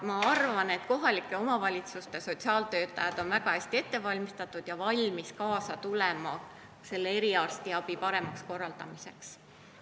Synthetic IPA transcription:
mɑɑrvɑne̞t̪ko̞ɦɑlikːˑe̞o̞mɑvɑlʲit̪sust̪eso̞t̪siɑːlt̪ø̞ːt̪ːˑɑjɑd̪̥o̞nvæɡ̥ɑhæsʲt̪ie̞t̪ːe̞vɑlʲmist̪ɑt̪ːˑud̪̥jɑvɑlʲmiskɑːsɑt̪ulemɑ | se̞lːee̞ɾiɑrst̪iɑb̥ipɑɾe̞mɑksko̞rːɑld̪ɑmise̞ks

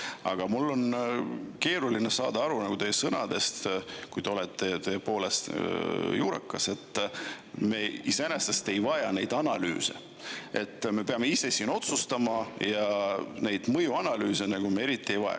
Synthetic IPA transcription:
ɑɡ̥ɑmulːo̞n | ke̞ːɾulinesɑ̰ːd̪ɑɑɾunɑɡ̥ut̪ejːesɤnɑ̰d̪e̞st̪kujd̪eo̞let̪ːe̞t̪eːepo̞ːle̞st̪juːɾɑ̰kːˑɑse̞t̪ːˑ | me̞ːiseænest̪est̪e̞jvɑjɑne̞jd̪ɑnɑly̰ːse̞̰ | e̞t̪ːme̞pe̞ɑme̞ise̞siːno̞t̪sust̪ɑmɑjɑne̞jd̪̥mɤjuɑnɑlyːsenɑɡ̥umeeɾit̪ˑːie̞jvɑjɑ̰

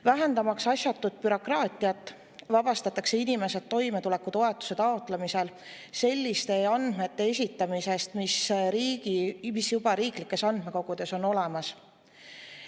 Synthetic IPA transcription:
væɦe̞nd̪ɑmɑksɑsjɑt̪ːˑud̪̥̚pyɾo̞krɑːt̪ʲːˑiɑt̪ˑː | vɑb̥ɑst̪ɑt̪ːˑɑkse̞inime̞sed̪ːo̞jme̞t̪ule̞kːˑut̪o̞e̞t̪ːˑu̥se̞t̪ɑot̪ːˑlemise̞l | se̞lʲːist̪e̞ɑnd̪̥me̞t̪ːe̞es̬ʲit̪ːˑɑmise̞st̪misɾiːɡimisjubɑɾiːklikːˑe̞sɑnd̪me̞ko̞ɡ̥ud̪̥e̞so̞no̞le̞mɑs

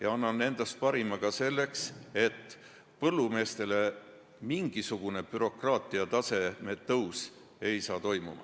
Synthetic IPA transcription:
jɑɑnːɑnːe̞nd̪̥ɑst̪̚pɑɾimɑɡ̥ɑse̞lːe̞kse̞t̪ː | pɤlːume̞ːst̪e̞le̞ | miŋɡ̥isuɡ̥une̞b̥yɾo̞krɑːt̪ˑiɑt̪ɑse̞met̪ːɤws | e̞jsɑːt̪o̞jmumɑ̰

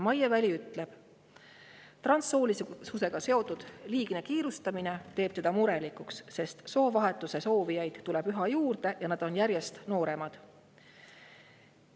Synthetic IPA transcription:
mɑjevælʲiyt̪ːˑle̞b̥ | t̪rɑnsːo̞ːlissuse̞ɡ̥ɑse̞o̞t̪ud̪̥liːɡ̥ne̞kiːɾust̪ɑmine̞t̪e̞ːb̥t̪e̞d̪̥ɑmuɾe̞likuksse̞st̪so̞ːvɑɦe̞t̪ːˑuse̞so̞ːvijɑjd̪̥t̪ːule̞b̥yɦɑjuːrd̪̥e̞jɑnɑd̪̥o̞njæɾje̞st̪no̞ːɾe̞mɑd̪̥

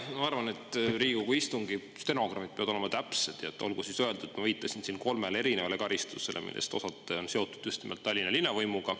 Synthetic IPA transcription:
mɑɑrvɑne̞t̪ːˑriːɡ̥ukuist̪uŋɡi | st̪e̞no̞ɡ̥rɑmid̪̥̚peɑd̪oemɑt̪æpse̞d̪̥jɑt̪ːˑo̞̰lɡ̥usisøe̞ld̪̥u̥et̪mɑviːt̪ˑːɑsinsinko̞lmele̞ɾine̞vɑle̞kɑɾist̪use̞lʔe̞̰mḭlːʔest̪o̞sɑt̪ˑːeo̞nseo̞t̪ːˑu̥d̪̥just̪nimelt̪ːɑlːinɑlinːɑvɤjmuɡ̥ɑ

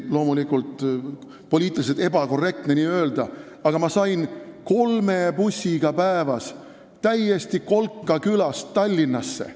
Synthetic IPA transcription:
lo̞ːmulikˑult̪ˑ | po̞lʲiːt̪ːˑiliset̪ebɑko̞rːe̞k̚t̪ne̞niːø̞ːld̪̥ɑ | ɑɡ̥ɑmɑsɑjnko̞lme̞pusʲːiɡ̥ɑpæevɑs | t̪æje̞st̪iko̞lkːɑkylɑst̪ːɑlʲːinːɑsːḛ

